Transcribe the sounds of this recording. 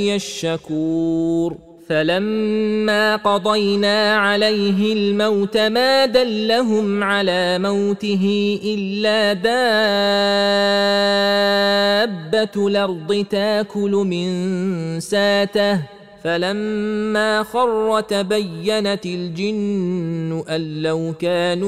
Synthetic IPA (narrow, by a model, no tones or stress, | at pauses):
jaʃːakuːɾ | falamːaːqɑd̪ˤɑjnaːʕalajɦɪlmawt̪amaːd̪alːaɦʊmʕalaːmawt̪ɪɦɪʔɪlːaːb̪aː | bːat̪lɑɾˤd̪ˤɨt̪aːkʊlʊmɪnsaːt̪a | falamːaːxɑrˤːɑt̪abajːanaɪld͡ʒɪnː | ʊʔalːawkaːnu